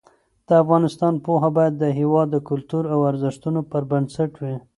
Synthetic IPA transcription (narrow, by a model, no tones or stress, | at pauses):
d̪̥əafɣɑnɪst̪ɑnpoɦabɑjad̪ːəɦewɑd̪ːəkʊlt̪uɾawaɾzɪʃt̪unopəɾbənsaʈwi